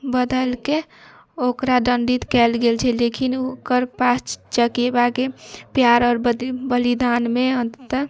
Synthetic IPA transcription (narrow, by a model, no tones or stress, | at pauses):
bəd̪əlke | okɾaɖəɳɖit̪kɛlɡelt͡ʃʰɛlekʰinokəɾpast͡ʃəkebakepjaɾɔɾbbəlid̪anmeənt̪ə